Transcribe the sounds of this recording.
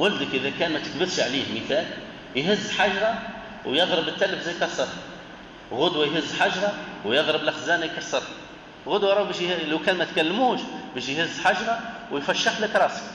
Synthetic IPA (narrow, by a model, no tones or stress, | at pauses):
wʊld̪əkʔɪðækæːnmæt̪ə̥kbɪθʃʕliːhmiθæːl | jɦɪzːħaʒɾˤɑ | wjɑðˤɾˤəbət̪ːæləfzæjkɑɾsˤɑrˤ | ɣʊd̪wæjɦɪzːħaʒɾˤɑwjɑðˤɾəblʔaxzæːnæjkɑɾsˤɑrˤħ | ɣʊd̪wɑɾˤɑbæːʃlawkæːnmæt̪kælːmuːʃbæːʃjhɪzːħaʒɾˤɑwjfæʃːaħləkɾˤɑːsə̥k